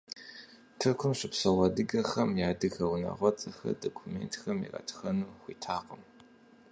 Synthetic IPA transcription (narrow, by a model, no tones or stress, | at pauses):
tʰɨrkʷʰʊmɕɪpsɐwɐdɨɡɐxɐmjaːdɨxɐwnɐ̰ʁʷɔt͡sʼɐxɐ̰dokʷʰumeːntʰxɐmḭrɐ̰tʰxɐnuːxʷiːtʰaːqəm